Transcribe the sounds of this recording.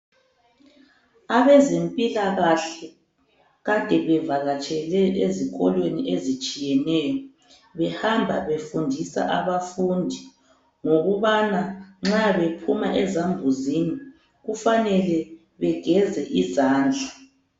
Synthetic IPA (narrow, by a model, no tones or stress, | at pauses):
aβɛzempʼilaɣaɬɛ | ɣatʼɛβɛvaɣat͡ʃʼɛlɛeziɣɔlweniʔezit͡ʃʼijɛnɛːjɔ | βɛhambʱaβefundʱisa̰ʔaβafundʱi | ŋoɣuβanaŋ͡ǁaβepʰumaʔɛzambʱuzini | ɣufanɛlɛ | βɛɡ̥ʱɛzɛʔizaːnd͡ɮʱa